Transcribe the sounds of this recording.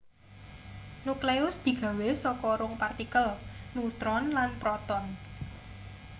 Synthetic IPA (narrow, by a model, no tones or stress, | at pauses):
nukleʊsd̪̥i̤ɡ̥ä̤wesɔkɔɾʊŋpart̪ikəlnut̪ɾɔnlanpɾɔt̪ɔn